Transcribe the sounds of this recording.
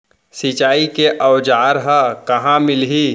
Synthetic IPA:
sɪt͡ʃaːikeʔɔːd͡ʒaːɾɦəkɐɦãmɪlɦi

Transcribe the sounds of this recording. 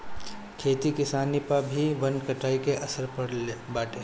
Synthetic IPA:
kʰeːt̪ikɪsaːnipabʱiʋɐ̃nɖkɐʈaːikeʔɐsəɾpɐɽbaːʈeː

